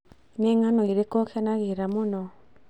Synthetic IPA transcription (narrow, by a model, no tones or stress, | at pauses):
neŋanoiɾekokanaɣeɾamonɔ